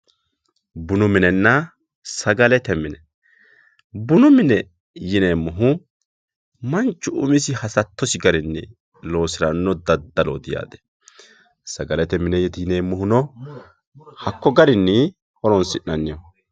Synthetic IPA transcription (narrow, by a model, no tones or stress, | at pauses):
bʊnʊmɪnɛnːɐ | sɐɡɐlɛt̪ɛmːɪnɛ | bʊnʊmɪnɛ | jɪneːmːʊɦʊ | mɐnt͡ʃːʊʊ̰mɪsɪhɐsɐt̪ːɔsɪɡɐɾɪnːɪ | lo̞ːsɪɾɐnːɔd̪ɐd̪ːɐlɔ̰d̪ɪja̰ːd̪ɛ̥ | sɐɡɐlɛt̪ɛmɪnɛjɛt̪jɪneːmːʊhʊnɔ | hɐkːɔɡɐɾɪnːɪ | ɔɾɔnsɪnːɐnːɪjɔ